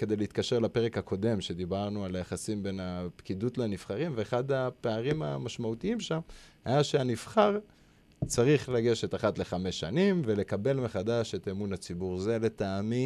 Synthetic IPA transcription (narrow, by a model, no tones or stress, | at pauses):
ke̞d̪ejleit̪kaʃe̞ʁlape̞ʁe̞khakʰo̞d̪e̞mʃe̞d̪ibaʁnualajaχasimbe̞napkid̪utlanifχaʁimveːχad̪apeaʁima̰maʃmaut̪iimʃamhajaʃeanifχaʁ | t͡saʁiχlaɡe̞ʃet̪aχatle̞χame̞ʃːanimve̞le̞kabe̞lmeχadaʃe̞t̪emunat͡sibuʁzele̞taːmi